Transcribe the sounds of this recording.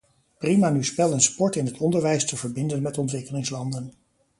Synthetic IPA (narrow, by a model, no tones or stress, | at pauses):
primaːnyspɛlˠənspɔɹtɪnɦətɔndəɹʋɛjstəvəɹbɪndənmɛtɔntʋɪkəlɪŋslɑndən